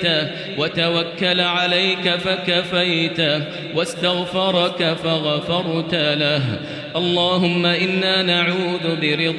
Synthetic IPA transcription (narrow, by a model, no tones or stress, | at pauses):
a | wat̪awakːalʕalajkafakafajt̪a | wast̪aɣfɑɾˤɑkafaɣafɑɾˤt̪alaɦ | ʔɑlˤːɑːɦʊmːaʔɪnːaːnaʕuːðʊbɪɾɪd̪ˤ